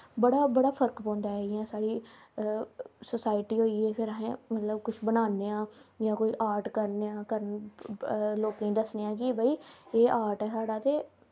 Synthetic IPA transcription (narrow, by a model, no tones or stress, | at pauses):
bəɽaːbəɽaːpʰəɾkpɔ̃ːnd̪aːɦɛɪãːsaːɽiː | səsaːɪʈiːɦoːiːɛːpʰɪɾəɦẽːmət̪ləbkʊt͡ʃʰbənaːneːãːjãːkoːiːʔaːɾʈkəɾneːãːkəɾən | loːkẽːd̪əsneːãːkɪbʱəiːeːʔaːɾʈɛːsaːɽaːt̪eː